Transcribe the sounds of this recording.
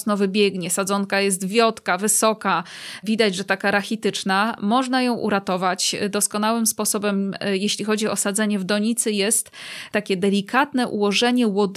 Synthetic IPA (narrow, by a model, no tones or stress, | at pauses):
nɔvɘbʲjɛɡɲɛsad̪zɔnkajɛs̬t̪vʲjɔt̪kavɘsɔkavʲid̪ad͡ʑʐɛt̪akaɾaxʲit̪ɘt͡ʂnamɔʐnajɔ̃w̃ʔṵɾat̪ɔvat͡ɕd̪ɔskɔnawɘmspɔsɔbɛmjeɕlʲixɔd͡ʑiɔ̰sad̪zɛɲɛvd̪ɔɲit̪sɘjɛst̪tːakʲɛd̪ɛlʲikʰat̪nɛʔṵwɔʐɛɲɛwɔd̪